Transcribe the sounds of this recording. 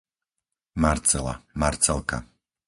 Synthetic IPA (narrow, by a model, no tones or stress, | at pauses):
maɾt͡sɛla̰maɾt͡sɛlˠka̰